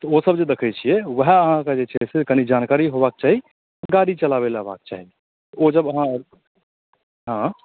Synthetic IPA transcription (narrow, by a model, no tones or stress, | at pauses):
t̪ɔosəbd͡ʒed̪ekʰɛt͡ʃʰijɛʋəɦɛəɦãkad͡ʒet͡ʃʰɛsekənid͡ʒankaɾiɦobak̚t͡ʃaɦi | ɡaɾit͡ʃəlaβelaba̰k̚t͡ʃa̰ɦi | t̪ɔod͡ʒəbəɦã | ɦã